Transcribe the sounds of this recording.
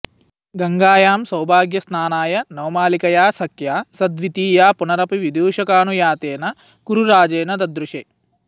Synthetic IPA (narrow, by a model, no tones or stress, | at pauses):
ɡɐŋɡaːjaːmsɐwbʱaːɡjɐsnaːnaːjɐnɐwmaːlikɐjaːsɐkjaːsɐd̪ʋit̪iːjaːpunɐɾɐpiʋid̪juːʃɐkaːnujaːt̪eːnɐ | kuɾuɾaːd͡ʒeːnɐd̪ɐd̪ɾuʃe